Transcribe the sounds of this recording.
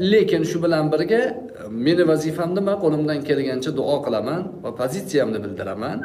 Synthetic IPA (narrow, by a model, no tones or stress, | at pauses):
le̞kʲɪnʃʊbɪlanbɪɾɡʲa | me̞nɪvazifamnɪmaqʰolˠɪmd̪ankʲe̞lɡʲant͡ʃʰad̪ʊʔɒqʰɨlˠamanvapʰozit̪sijamnɪbɪld̪ɪɾaman